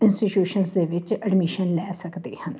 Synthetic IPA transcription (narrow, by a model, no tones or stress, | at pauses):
ɪ̃nsʈiʈjuːʃənsd̪eːʋɪt͡ʃəɖmɪʃənlɛːsəkd̪ḛːhən